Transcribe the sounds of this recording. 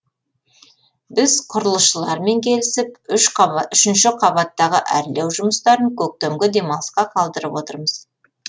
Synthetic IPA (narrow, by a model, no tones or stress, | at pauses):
bɪzqʰʊɾəlˠəsʃəlˠɑɾme̞ŋkʲʰe̞lɪsɪp̚ʏʃʏʃɪnʃɪqʰɑβɑt̪ːɑʁəʔæ̰ɾlewʒʊməst̪ɑɾəŋkʲʰɵk̚t̪emɡʲɪd̪e̞mɑlˠsqɑqʰɑlˠd̪əɾəpwot̪əɾməz̥